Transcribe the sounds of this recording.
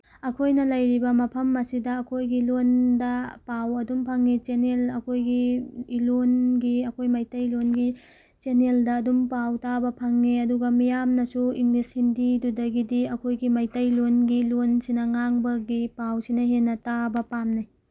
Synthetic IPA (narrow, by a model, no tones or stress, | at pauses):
ɐkʰojnɐlɐjɾibɐmɐpʰɐmɐsidɐːkʰojɡilondɐpawɐdumpʰɐŋːit͡ʃenelɐkʰojɡilonɡiɐkʰojmajtɐjlonɡi | t͡ʃeneldɐːdumpawtabɐpʰɐŋːiɐduɡɐmijamnɐsuiŋlishindidudɐɡidiɐkʰojɡimajtɐjlonɡilonsinɐŋaŋbɐɡipawsinɐɦenːɐtabɐpamnɐj